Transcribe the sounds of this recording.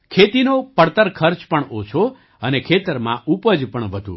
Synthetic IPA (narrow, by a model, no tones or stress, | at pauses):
kʰet̪inopəɽt̪əɾkʰəɾt͡ʃpəɳot͡ʃʰo | ənekʰet̪əɾmã̰ʔupəd͡ʒpəɳʋəd̪ʱṵ̃